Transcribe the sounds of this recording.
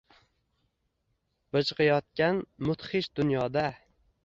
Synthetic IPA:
b̥ɨt͡ʃqɨjɒt̪̚kʲanmʊt̪χɪʃd̪ʊnjɒd̪a

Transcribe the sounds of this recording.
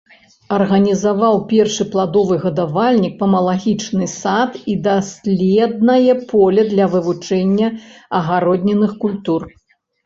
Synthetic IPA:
ɐrɣɐnʲizavawpʲɛrʂɨplˠad̪ɔvɨɣɐd̪avalʲnʲik̚pɐmɐlˠaɣʲit͡ʂnɨsat̪id̪asʲlʲɛd̪̚nɐjɛpʰɔlʲɛd̪lʲɐvɨvut͡ʂɛnʲːɐɐɣaɾɔd̪ʲnʲɛnɨxkulʲt̪ur

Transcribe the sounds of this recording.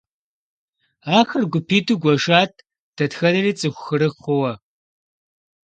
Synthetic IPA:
aːxɐrɡʷʊpʰiːduːɡʷɔʒaːt̚ʰ | d̥ɐtxɐnɐriːt͡sʼɨxʷʊxɨɾɨχʊwɐ

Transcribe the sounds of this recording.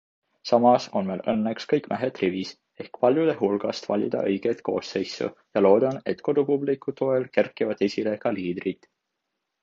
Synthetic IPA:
sɑmɑso̞nmelɤ̰nːe̞kskɤjkːˑmæɦet̪rivis | e̞hkpɑlʲjud̪̥e̞ɦulɡ̥ɑ̰st̪vɑ̰lʲḭd̪̥ɑ̰ʔɤjɡ̥e̞t̪ko̞ːse̞jsṵjɑlo̞ːd̪ɑne̞t̪ko̞d̪̥upublikːˑut̪ːˑo̞elkerkːˑivɑd̪̥esʲile̞kɑliːd̪rit̪ˑ

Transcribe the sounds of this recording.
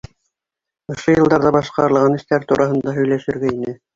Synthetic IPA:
ŏʃojɤ̆lˠd̪ɑɾðɑbɑʃqɑɾɤ̆lˠʁɑnɘ̆ʃt̪æɾt̪uɾʔɑɦɤ̆nd̪ɑɦɵ̆jlæʃɘ̆ɾɡæinɘ

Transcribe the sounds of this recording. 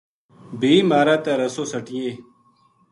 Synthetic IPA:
biːmaːɾaːt̪aːɾəsoːsəʈɪjeː

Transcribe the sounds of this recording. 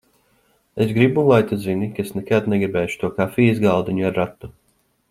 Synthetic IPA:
esɡɾibulˠajt̪azinikaesnɛkad̪nɛɡɾibɛːʃu̥t̪uɔkafiːizɡalˠd̪iɲuaɾːat̪ːu

